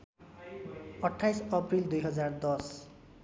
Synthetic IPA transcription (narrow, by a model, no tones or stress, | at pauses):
ɔʈʰːajsɔpɹild̪ujɦʌzaɹd̪ɔs